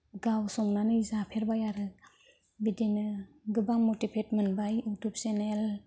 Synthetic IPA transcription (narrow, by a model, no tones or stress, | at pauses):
ɡawsɔŋnanɯzapʰeɾbajaɾɯ | bidenɯ | ɡɯbaŋmotipʰet̚mɯnbajutup̚senel